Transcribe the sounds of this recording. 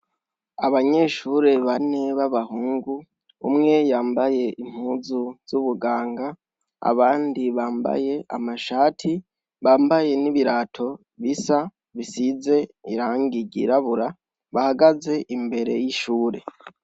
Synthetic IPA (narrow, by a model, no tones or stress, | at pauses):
aβaɲe̞ʃuɾe̞βane̞βaβahuːŋɡu | umŋe̞jaːmbaje̞ʔim̥huːzuz̥uβuɡaːŋɡa | a̰βaːndiβaːmba̰je̞ʔa̰maʃaːtʰi | βaːmbaje̞niβiɾaːtʰo̞ | βisa | βisize̞iɾaːŋɡiɟḭɾaβuɾa | βahaɡaze̞ʔimbe̞ɾe̞̰jiʃuːɾe̞̰